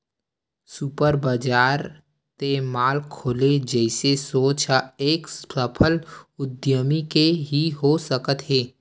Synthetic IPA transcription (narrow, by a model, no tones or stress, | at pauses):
supəɾbəd͡ʒaːɾ | t̪emaːlkʰoːled͡ʒɛɪsesoːt͡ʃaeːkpɾəpʰəlʊd̪jəmikeɦiɦosəkət̪ɦeː